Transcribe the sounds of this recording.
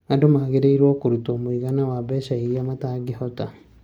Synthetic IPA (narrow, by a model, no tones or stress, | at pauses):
adumaɣeɾeiɾwoːkuɾutoːmwiɣanawaβeːʃaiɾjamataːɡihota